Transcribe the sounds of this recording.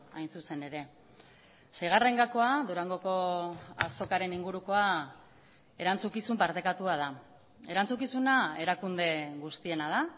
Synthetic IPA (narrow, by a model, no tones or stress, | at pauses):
a̰jnsuse̞ne̞ɾe̞ | sajɣ̞are̞ŋɡako̞aðuɾaŋɡo̞ko̞a̰so̞kaɾe̞niŋɡuɾuko̞a | e̞ɾant͡sukisumpaɾt̪e̞kat̪uað̞a | e̞ɾant͡sukisunae̞ɾakund̪e̞ɣust̪ie̞nað̞a